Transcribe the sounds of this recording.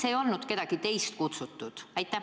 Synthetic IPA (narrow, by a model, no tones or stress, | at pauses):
seːjo̞lnud̪̥ke̞d̪̥ɑɡ̥it̪e̞jst̪kut̪sut̪ːˑud̪̥æjt̪ːˑæ